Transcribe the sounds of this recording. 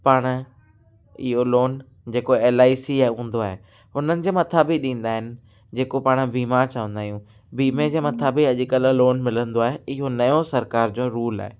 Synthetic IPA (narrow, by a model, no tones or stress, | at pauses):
paːɽ̃̆ | ɪ̰ɦoloːn | d͡ʑeːkoeːlaːisiaːeɦũːn̆d̪oaːɦe | ɦʊn̤ənɪ̆d͡ʑeːmɐt̪ʰabɪɗĩːn̆d̪aːɦɪnɪ̆ | d͡ʑeːkopaːɽ̃biːmaɾt͡ɕɐʋə̃nd̪aːijũ | biːmed͡ʑeːmɐt̪ʰabiɐʄkəlloːnmɪlə̃nd̪oaːɦeɪɦonɐjosɐɾkaːɾd͡ʑõːɾuːla̰ːɦeː